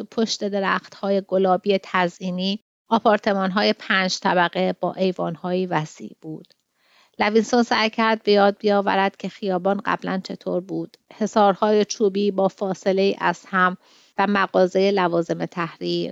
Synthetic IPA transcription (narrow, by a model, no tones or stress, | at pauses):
pʰoʃt̪e̞d̪e̞ɾæːxt̪hɒːje̞ɡo̞lɒːbije̞t̪ʰæzʔiːniː | ɒpʰɒːɾt̪ʰe̞mɒːnɦɒːje̞pʰæːnd͡ʒt̪ʰæbæɣe̞b̥ɒ̰ːʔe̞jvɒːnhɒːjiːvæsḭːʔb̥uːd̪̥ | lævinsonsæjcʰæɾd̪̚be̞jɒːd̪̚bijɒːvæ̰ɾæd̪̥cʰe̞xijɒːbɒːnɢæ̰blænt͡ʃʰe̞t̪ʰoːɾbuːd̪̥he̞sɒːɾhɒːje̞t͡ʃʰuːbiːbɒːfɒːse̞le̞iːʔæz̥hæm | væmæɣɒːze̞je̞lævɒːze̞me̞t̪ʰæhɾiːɾ